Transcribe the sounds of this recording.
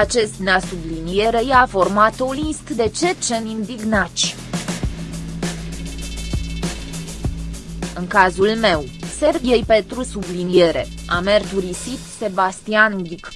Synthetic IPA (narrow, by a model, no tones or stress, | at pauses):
at͡ʃe̞st̪nasublinie̞ɾe̞jafo̞rmat̪olist̪d̪e̞t͡ʃe̞t͡ʃenind̪iɡnat̪t͡ʃʲ | ɨŋkazulme̞wse̞rbiejpent̪ɾusublinije̞ɾe̞̰ame̞rt̪uɾisit̪se̞bast̪ianɡʲik